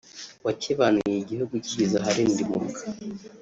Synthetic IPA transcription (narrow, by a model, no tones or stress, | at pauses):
wacʰeβanujeɟihuɡuicizaɦaɾindimuɾuɡḁ